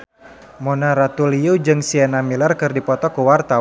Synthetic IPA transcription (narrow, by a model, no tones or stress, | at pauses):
mɔnaɾat̪uliud͡ʒɨŋsiɛnamilarkɨrdipɔt̪ɔkuwart̪a